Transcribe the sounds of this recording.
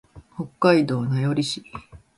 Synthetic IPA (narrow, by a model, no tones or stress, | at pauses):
ho̞kːaid̪o̞ːnajoɾʲiɕi